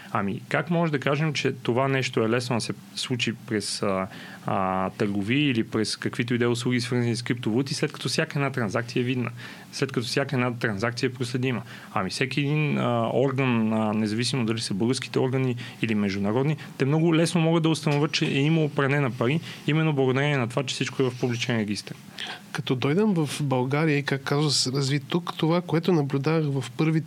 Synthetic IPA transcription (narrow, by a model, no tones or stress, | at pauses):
amikakmɔʒɛd̪ɐkaʒɛmt͡ʃɛt̪ovanɛʃt̪oɛlɛsnoɐsɛ | slˠut͡ʃipɾɛsə | t̪əɾɡoviəilipɾɛskɐkvit̪oid̪ɛjʊslˠuɡisvɤɾznɐniskɾip̚t̪ovot̪islɛt̪̚kɐ̥t̪ɔfsjakəɛd̪nat̪ɾɐnzak̚t̪sijəɛvid̪nə̰ | slɛt̪kɐt̪ɔsʲjakəɛd̪nat̪ɾɐnzakt̪sijəɛpɾoslɛd̪imə | ɐ̰mifsɛkʲiɛd̪inəɔɾɡənənɛzɐvisimod̪d̪ɐlisəbɤlˠɡəɾski̥t̪ɛɔɾɡəniilimɛʒd̪ʊnɐɾɔd̪nit̪ɛmnɔɡʊlɛsnomɔɡəd̪d̪ɐʊst̪ɐnoʊvʲət̪t͡ʃɛʔɛiməlˠopɾɐnɛnɐpɐɾiimɛnːoblˠɐɡod̪ɐɾɛniɛnɐt̪ovat͡ʃɛ̥sit͡ʃkoɛvɐfpublit͡ʃɛnɾɛɡist̪əɾ | kɐt̪ɔd̪ɔjd̪əmvɐfbɐlˠɡaɾijəikakkːazvəsɾɐzvit̪ːukt̪ovakoɛt̪ʊnɐblʲud̪avəxvɐfpɤɾvi